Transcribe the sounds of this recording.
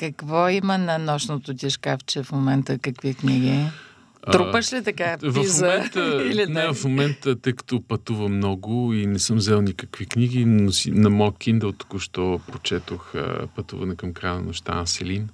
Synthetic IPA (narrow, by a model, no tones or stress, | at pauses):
kɐkvɔimənɐnɔʃnot̪ot̪ʲiʃkaft͡ʃɛfmomɛnt̪əkɐkvikniɡʲi | t̪ɾupəʃlit̪ɐkavɐifzmmɛnt̪əilinɛvɐfmomɛnt̪ət̪əjkɐ̥t̪opɐt̪uvəmnɔɡʊinɛsɤmzɛlˠnikəkvikniɡinosinɐmɔjkʲind̪ɛlˠt̪u̥kʊʃt̪ɔpɾot͡ʃɛt̪oxpɐt̪ṵvɐnɛkɐmkɾajnɐ̰nʊʃt̪a̰nɐsɛlin